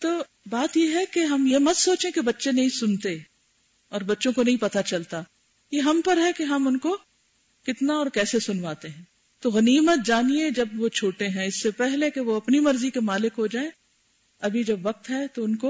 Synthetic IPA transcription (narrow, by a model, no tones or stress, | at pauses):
t̪oː | baːt̪jeɦɛkeɦɐmjemɐt̪soːt͡ʃẽkebɐtːʃenɐɦĩsʊnt̪e | ɔːɾbɐtːʃõkonɐɦĩpɐt̪at͡ʃɐlt̪a | jeɦɐmpɐɾɦɛkeɦɐmʊnko | kɪt̪naɔːɾkɛːsesʊnʋaːt̪eɦɛ̃ː | t̪oɣɐniːmət̪̚d͡ʒaːnied͡ʒɐbʋot͡ʃʰuːʈeɦɛ̃ɪsːepɛɦlekeʋoɐpnimɐɾzikemaːlɪkɦod͡ʒaːẽ | ɐbʱid͡ʒɐbʋɐk̚t̪ɦɛt̪oʊnko